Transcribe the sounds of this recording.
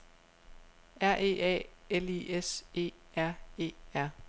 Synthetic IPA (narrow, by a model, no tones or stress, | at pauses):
æɐ̰ʔe̝̰ːɛ̰ːelḭese̝̰ːæɐ̰e̝̰ːæɐ̰